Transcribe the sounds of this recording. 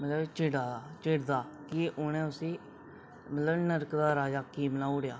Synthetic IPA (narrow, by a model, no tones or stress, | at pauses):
mət̪ləbt͡ʃɪɽaːd̪aːt͡ʃɪɽd̪aːkɪʔʊnẽːʊsĩː | mət̪ləbnəɾkd̪aːɾaːd͡ʒaːkiːmənaːuɽjaː